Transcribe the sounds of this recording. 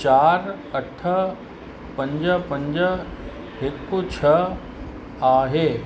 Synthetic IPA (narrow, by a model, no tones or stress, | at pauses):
t͡ɕaːɾ | ɐʈʰə̆ | pɐ̃ɲd͡ʑəpɐ̃ɲd͡ʑə | ɦekːut͡ɕʰɐə | aːɦeː